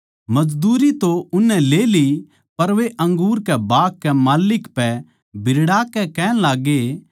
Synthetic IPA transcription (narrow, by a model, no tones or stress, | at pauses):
mɐd͡ʒd̪uːɾit̪oʊnːɛ̃leːli | pɐɾʋeʔɐ̃ŋɡuːɾkɛbaːkːɛmaːlɪkpɛ | bʱɪɾɽaːkɛkɛːɽ̃laːɡe